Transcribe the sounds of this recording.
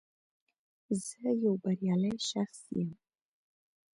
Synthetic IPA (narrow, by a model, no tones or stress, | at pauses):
zəjawbaɾjɑlajʃaχsḭjəm